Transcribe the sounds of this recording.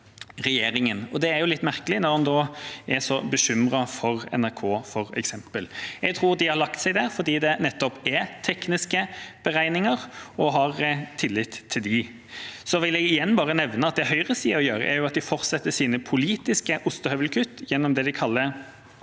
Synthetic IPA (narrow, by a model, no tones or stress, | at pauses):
ʁɛjeːɾɪŋənɔd̪ɛæɾjʊlɪt̪ːmæʁkəlɪnɔʁhɑnd̪oːɛsɔbəɕʏmɾɑfɔʁɛ̰næɾkʰoːfɔʁɛ̰ksɛmpəlɛɡt̪ʰɾuːɾd̪ɪhɑɾlɑkt̪sɛɪd̪æɾfɔʁd̪iːd̪ɛnɛt̪ːɔpæt̪ʰɛknɪskəb̥əɾæɪnɪŋəʁɔɦɑʁt̪ʰɪlːɪt̪ʰːɪld̪ɪ | sɔʋɪlɛɡɪjɛnːbɑːʁənɛʋnəɑt̪̚d̪ɛɦœʏʁəsiːɾɔjøːɾə̰ʔæɾjʊɑt̪̚d̪ɪfɔɾt̪sɛt̪ːəsiːnəpʰʊliːt̪ɪskəʔʊst̪əhœʋəlkʰʉt̪ːjɛnːɔmd̪ɛd̪ɪkʰɑlːəɾ